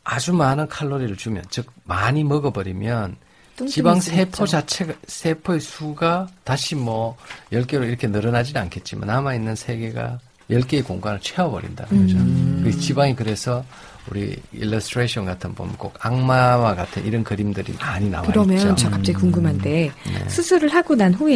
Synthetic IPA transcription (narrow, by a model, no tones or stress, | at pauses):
ad͡ʑumanɯnkʰaɭːoɾiɾɯɭt͡ɕumjʌnt͡ɕɯk̚maɲimʌɡʌbʌɾimjʌn | t͡ɕibaŋsʰe̞pʰod͡ʑat͡ɕʰeɡasʰe̞pʰoesʰuɡataɕʰimwʌjʌɭk͈e̞ɾoiɾʌkʰe̞nɯɾʌnad͡ʑinankʰe̞t̚t͡ɕ͈ima̰namainːɯnsʰe̞ɡe̞ɡa̰ | jʌɭk͈e̞ːkoŋɡwanɯɭt͡ɕʰweʌbʌɾḭnda̰nɯnɡʌd͡ʑʌkt͡ɕibaŋikɯɾe̞sʰʌ | uɾḭḭlːʌstʰɾeɕʰʌnɡatʰɯnbṵmnk͈okaŋmawaɡatʰɯniɾʌnkɯɾimdɯɾḭmaɲina̰wɯɾʌmjʌnt͡ɕʌkap̚t͡ɕ͈aɡikuŋɡɯmɦande̞nḛsʰɯsʰɯɾɯɭhaɡonanɸue